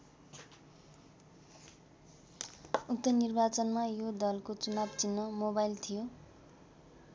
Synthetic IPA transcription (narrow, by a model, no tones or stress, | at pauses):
uk̚t̪ʌnirbat͡sʌnmajod̪ʌlkot͡sunabt͡sinːʌmobajilt̪ʰijo